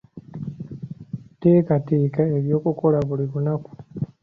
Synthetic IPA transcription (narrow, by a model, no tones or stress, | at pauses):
teːkatiːkaeɾjo̞ːkukolaβuliβunaku̥